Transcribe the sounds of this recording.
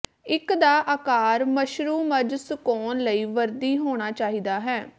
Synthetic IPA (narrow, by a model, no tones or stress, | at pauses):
ɪkd̪aːʔaːkaːɾməʃɾuːməd͡ʒsʊkoːnləiːʋəɾd̪iːɦoːɽ̃aːt͡ʃaːɦiːd̪aːɦɛː